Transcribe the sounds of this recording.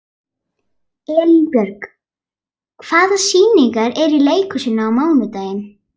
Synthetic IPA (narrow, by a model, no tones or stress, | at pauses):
ɛːlipjœɾk | kʰv̥aːðsiːniŋkaɾɛɾileːjkʏsɪnːaːwmaːwnʏt̪aːjɪn